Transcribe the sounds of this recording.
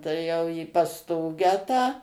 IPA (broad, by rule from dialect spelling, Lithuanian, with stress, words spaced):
tɐɪ ˈjɛʊ iː pɐsˈtoːɡʲæː tɑː